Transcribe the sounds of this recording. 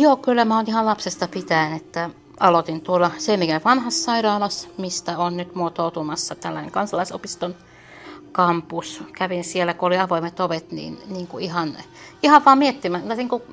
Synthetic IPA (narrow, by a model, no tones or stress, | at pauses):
joːkylːæmæonihɑllɑpsest̪ɑpit̪æinet̪ːæ | ɑlot̪int̪uolːɑseˑimikænʋɑnhɑssɑiɾɑːlɑsmist̪æonnyt̪muot̪oˑut̪umɑsːɑt̪ælːænḛŋkɑnsɑlɑiso̰pist̪on | kɑmpuskæʋinsielːækuoliɑʋoimet̪oʋet̪nḭːnniːŋkuihɑn | ihɑʋʋɑːmmiet̪ːimæɑsiːŋku